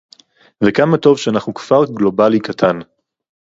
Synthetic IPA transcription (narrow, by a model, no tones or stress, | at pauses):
vekamato̞vʃeanaχnukv̥aʁɡlo̞balikatʰan